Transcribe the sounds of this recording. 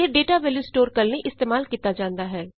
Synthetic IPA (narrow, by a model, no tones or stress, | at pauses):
eɖeːʈaʋelɪsʈoːɾkəlneʔɪst̪eːmaːlkiːt̪ːad͡ʒãːnd̪aɦɛː